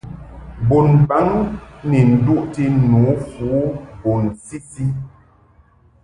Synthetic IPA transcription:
bo˨nba˦ŋne˨n̩˨du˦ʔti˦nu˨˦fu˨˦bo˨nsi˦si˦

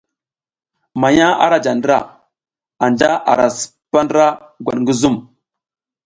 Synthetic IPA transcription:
ma˨ɲa˦a̰˦ɾa˦d͡ʒa˨ndɾa̰˦˨ | a˨nd͡ʒa˦ʔa̰˨ɾa˨sə̥˨pa˦nda˦ | ɡʷa˨ŋɡə˦zu˦˨m

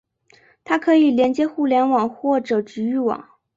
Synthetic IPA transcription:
t̪ʰa˥kʰɤ˧˥i˨˩ljɛ˧˥nt͡ɕjɛ˥xu˥˩ljɛ˧˥nwɑ˨˩ŋxwɔ˥˩ʈ͡ʂɤ˨˩ʈ͡ʂɻ̩˧˥y˥˩wɑ̰˨˩˦ŋ

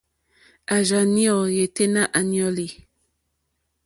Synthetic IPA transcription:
a˨ʒa˨ni˦ɔ˨je˨te˦na˦ʔa˨njɔ˦li˨

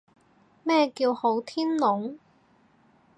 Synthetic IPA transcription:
mɛː˥kiː˧who˨˥wt̪ʰiː˥nlʊ˨˥ŋ

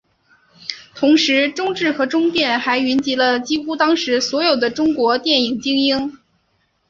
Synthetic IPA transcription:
t̪ʰʊ˧˥ŋʂɻ̩˧˥ʈ͡ʂʊ˥ŋʈ͡ʂɻ̩˥˩xɤ˧˥ʈ͡ʂʊ˥ŋt̪jɛ˥˩nxa˧˥ɪy˧˥nt͡ɕi˧˥lə˧t͡ɕi˥xu˥t̪ɑ˥ŋʂɻ̩˧˥swɔ˧˥jo˨˩ʊd̪ə˦ʈ͡ʂʊ˥ŋkwɔ˧˥t̪jɛ˥˩ni˨˩ŋt͡ɕi˥ŋi˥ŋ

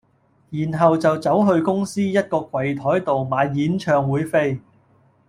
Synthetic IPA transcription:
jiː˨˩nɦɐ˨wt͡sɐ˨wt͡sɐ˨˥wɦɵ˧ɥkʊ˥ŋsiː˥jɐ˥t̚kɔː˧kʷwɐ˨˩jt̪ʰɔː˨˥jt̪o˨wmaː˨˧jjiː˨˥nt͡ʃʰœː˧ŋwuː˨˥jfe˥j

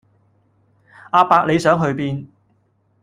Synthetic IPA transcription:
ʔaː˨˧paː˧k̚le˨˧jsœː˨˥ŋɦɵ˨˧ɥpiː˧n

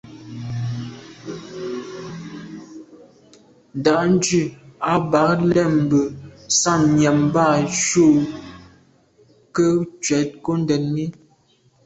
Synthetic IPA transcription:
n̩˨da˨ʔn̩˦d͡ʒʉ˦˨a˦ba˨˦k̚lɛ˦˨m̩˨bə˨sa˦˨mɲja˨mba˦˨ʃo˦˨ | kə˦t͡ʃɥɛ˨˦t̚ko˦n˦dɛ˨nmi˦

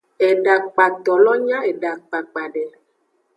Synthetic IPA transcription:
e˨ɖa˨k͡pa˨t̪ɔ˨lɔ˦ɲã˦e˨ɖa˨k͡pa˨k͡pa˨ɖɛ˨

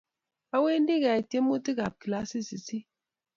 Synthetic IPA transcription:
a˦we˦n̩˦di˦ɣa˨i˨tje˦mː˦u˦ti˦ɣa˨p̚ki˨la˦si˦si˨si˦

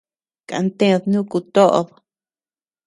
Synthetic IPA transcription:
ka̰˨˧nt̪ẽ˦˧ðnũ˦ku˧t̪o˦ʔo̰˧ð

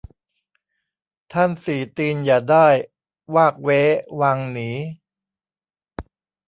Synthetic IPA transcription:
t̪ʰa˥˩nsiː˨˩t̪iː˧njaː˨˩daː˥˩j | waː˥˩k̚weː˦˥waː˧ŋniː˩˦

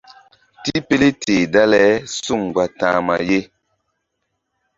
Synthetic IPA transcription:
ti˦pe˦le˦teː˨da˦lɛ˨˦su˦˨ŋɡwa˨tã̰ː˨˦ma̰˨je˦

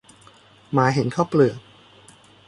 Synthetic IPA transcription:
maː˨˦ɦe˨˩˦nkʰaː˥˩wplɯ˨˩ək̚

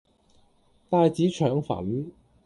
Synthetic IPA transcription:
t̪aː˥˧jt͡siː˨˥t͡ʃʰœː˨˥ŋfɐ̰˨˩˥n

